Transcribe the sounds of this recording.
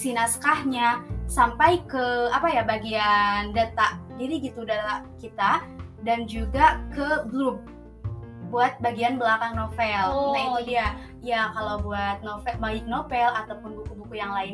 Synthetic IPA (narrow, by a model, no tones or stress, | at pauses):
sinaskahɲasampajkəapajabaɡiandat̪aʔdiɾiɡit̪udat̪aʔkit̪a | dand͡ʒuɡakəblup̚ | buat̪̚baɡianbəlakaŋnofɛlt̪aŋdia | ijakalawbuat̪̚nofɛmaɪk̚nofɛlat̪awpʊnbukubukujaŋlaɪn